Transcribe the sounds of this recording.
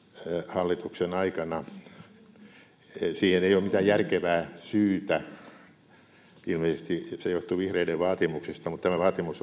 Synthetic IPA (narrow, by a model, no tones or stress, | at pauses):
hɑlːit̪uksenɑikɑnɑ | siːheneijoːmmit̪æjjærkeʋæːsyːt̪æ | ilmeisest̪isejoht̪uʋihreideʋʋɑːt̪imuksest̪ɑmut̪t̪æmæʋɑːt̪imus